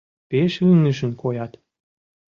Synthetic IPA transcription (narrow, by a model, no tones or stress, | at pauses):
peʃyŋə̆ʃə̆nkʰojɑt̪